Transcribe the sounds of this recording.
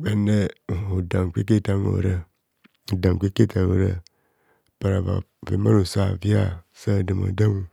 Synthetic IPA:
ba˨ne˦˨o˨da˨ŋ˨kʷi˦ke˦ta˦no̰˨ɾə˦˨ | da˨ŋ˨kʷi˦ke˦ta˨o˨ɾə̰˨ | pa˨ɾa˨va̰˨vḛ˨˦ma˦ɾo˨sa˦˨vi˦a̰˦˨ | sa˦˨də˨ma̰˨da˦ŋ˦

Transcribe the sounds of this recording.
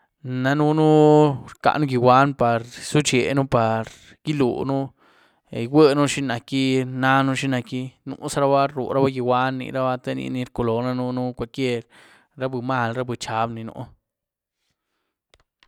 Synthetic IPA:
na˦nu˦nu˦ɾka̰˧˨ʔnu˦ɡi˧wʷa˦npa˨ɾsu˦t͡ʃe˨nu˦pa˨ɾ | ɡ̥i˦lṵ˨nu˦˨ | wʷe˦nu˦ʃi˦na˨ki˦na˦nu˦ʃi˦na˧ki˦nṵ˨˦sa˦ɾa˦ba˦ɾu˨ɾa˦ba˦ɡi˧wʷa˦nːḭ˧˨ɾa˦ba˦t̪e˦nḭ˧ni˧ɾko˧lo˨na˦nu˦nu˦kʷa˧lkje˦ɾ | ɾa˦bɨ˨ma˦˨lɾa˦bɨ˨t͡ʃa˨˦bni˧nṵ˨˧ʔ

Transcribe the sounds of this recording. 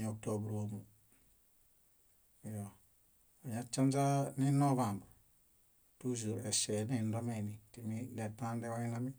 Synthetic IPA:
ɲo˨k̚to˨bu˨ɾo˨mu˨ | jo˨ | a˨ɲa˦t͡ʃa˦nza˦ni˦no˦βa˨mb | tu˦zu˨ɾe˨sɛ˨ni˦˨n˦do˦me˨ni˨ti˨mi˦de˨tã˦nde˦o˦i˦la˦mi˦

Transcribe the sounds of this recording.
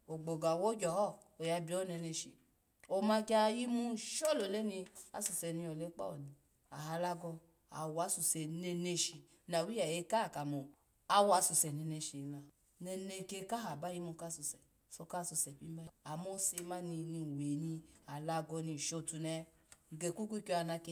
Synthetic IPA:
o˨ɡ͡bo˨ɡa˨wo˦d͡ʒɔ˨˦ɔ˦˨ | o˨ja˧bi˨o˦ne˧ne˧ʃi˨ | o˧mã˧ki˦a˧ji˦mũ˧ʃo˦˨lo˨le˦nĩ˧a̰˨˦su˨sɛ˨nĩ˧o˨le˦k͡pɔ̰˦˨ni˨ | a˨ɦa˧la˦ɡɔ˧ | a̰˨wa˨˧˦su˧˨sɛ˨ne˧ne˧ʃi˧˦na˨wi˦a˨je˨˦ka˦˨ka˨mo˨ | a˦wa˧˦su˧sɛ˨ne˧ne˧ʃi˧˨˧la˨ | nɛ˧ne˧ke˧ka˦ɦa˨ba˦ji˦mũ˧ka˦˨su˧sɛ˨ | so˧ka˦˨su˧sɛ˨pi˦ma˦˧a˨mo˦se˧˦ma˦ni˧ni˧˨we˨nĩ˧a˨la˧ɡɔ˧nĩ˧˨ʃo˦˨tu˧nɛ˧˦˨ | ɡe˨ku˦k̬ʷu˦ko˧a˨˧˨na˧ke˧

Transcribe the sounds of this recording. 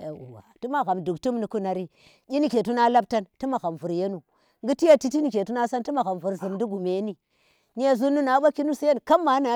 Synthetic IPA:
e˨u˨wa̰˨tu˦ma˦ɣa˨mdu˨ktu˦mni˨ku˦na˨ɾi˦ | i˦ni˦ke˨t̬u˦na˦la˦b̚ta˦nti˦ma˨ɣa˨mvu˨ɾje˦nu˨ | ŋɡi˦ti˦ja˦ti˦ti˦ni˨ke˨tu˦na˦sa˦nti˦ma˨ɣa˨mvu˨ɾzi˨mdi˦ɡu˨me˨˦ni˦ | ɲ˦e˦zu˦nu˦na˨˦ɓa˦ki˦nu˦si˦je˦n˨ka˦mːa˨˦na˨

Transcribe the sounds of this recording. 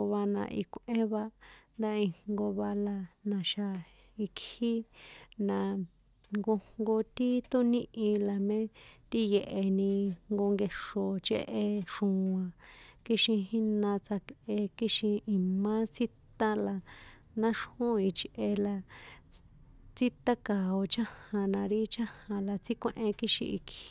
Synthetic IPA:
βa˧nã̰˧˨ʔḭ˧kʷʔẽ˦βa˧nd̪a˦i˧ŋ̥ɡo˧βa˧la˧nã˨ʃa˧ | i˧khi˦nã˨ | ŋɡo˧ŋɡo˧t̪i˦t̪o˦nĩ˦ʔĩ˧la˨mẽ˦t̪i˦je˨ʔe˨nĩ˧ŋɡo˧ŋɡe˧ʂo˨t͡ʃḛ˦ʔe˧ʂũ˨˧ã˨ki˦ʃĩ˧ɦi˦nã˧t͡sa˧ke˧ki˦ʃĩ˧i˧mã˦t͡si˦t̪ã˦la˧ | nã˦ʂhũ˦i˧t͡ʃʔe˧la˧ | t͡si˦t̪a˦ka˨o˧t͡ʃã˦hã˧nã˧ɾi˦t͡ʃã˦hã˧la˨t͡si˦kʷẽ˧˦ʔẽ˧ki˦ʃḭ̃˧ḭ˧ki˦

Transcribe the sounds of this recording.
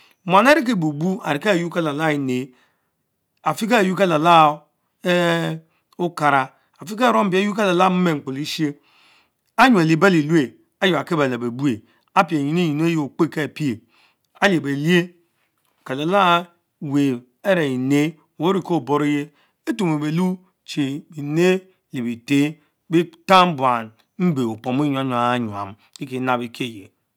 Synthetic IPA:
m˨a˨na˦ɾi˦k̬e˦˨bu˨bu˦a˨ɾi˨ka˦˨ju˦ka˦la˨la˦i˨ne˨˦ | a˨fi˦ka˦˨ju˦ka˦la˨la˦ | u˦ka˨ɾa˨ | a˨fi˦ka˦˨ɾo˦m˦bi˨˦a˦ju˦ka˦la˨la˦m̩˦me˦˨ŋ͡m̩˨k͡po˨li˦ʃi˦e˦ | a˦ɲu˨e˨li˨ba˦li˨lu˦e˨ | a˦jo˨a˨ke˦ba˨la˨be˨bu˦e˨ | a˦pi˨e˨ji˨ne˦ji˨n˦e˦je˦o˨k͡pe˦ke˦˨pi˦e˨ | a˦le˨be˨li˦e˦˨ | ka˨le˨la˦ | we˨ | e˦ɾe˨i˨ne˦ | o˨wo˦ɾi˨ko˦˨bo˦ɾe˦je˦ | e˦tu˨me˨be˨lu˦ | t͡ʃe˨bi˨ne˦˨ | li˨bi˨te˦ | bi˦ta˦m̩˦bwa˨n | m̩˦be˨o˨po˨m˦i˦ɲu˨a˦ɲ˨a˨˦ɲu˨a̰˨m | ki˦ki˨˦na˨bi˦kʰe˦˨je˨

